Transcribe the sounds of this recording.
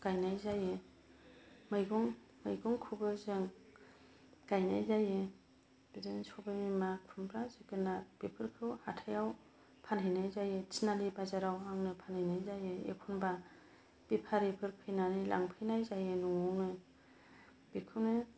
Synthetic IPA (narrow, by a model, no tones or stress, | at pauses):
ɡ̥ajnajzajɯ | mɯjɡɔŋ | mɯjɡɔŋkʰubɯzɯŋ | ɡ̥ajnajzajɯ | b̥idɯnsɔbamimakʰunbɾazɯkɯnatb̥ipʰɯɾkʰɯwhatʰajaw | pʰanɦɯjnajzajɯtʰinalibazaɾawaŋnɯpʰanhɯjnajzajɯḛkʰunba | b̥ipʰaɾepʰɯɾpʰɯjnanilʔa̰ŋpʰɯjnajzajɯnɔŋɔwnɯ | b̥ikʰɯwnɯ